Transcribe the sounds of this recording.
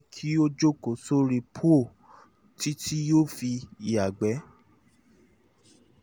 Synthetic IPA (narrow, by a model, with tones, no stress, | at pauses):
kʰi˦o˦d͡ʒo˦ko˨so˦ɾi˧pʰo˦˨ | tʰi˦tʰi˦joː˦˨fi˧i˨a˨ɡ͡bɛ˨˦